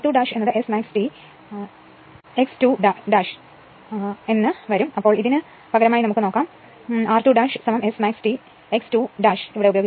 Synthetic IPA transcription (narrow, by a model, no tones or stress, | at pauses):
ʈuːɖaːʂe̞nːuðɨesmaːksʈi | ekstuɖaɖaːʂ | e̞nːɨʋɐɾumɐpːo̞ːɭiðinɨ | pɐɡɐɾɐmaːjinɐmukːɨnoːkːaːm | aːrʈuːɖaːʂɨsɐmɐmesmaːksʈi | ekstuɖaːʂiʋiɽeubɐjoɡ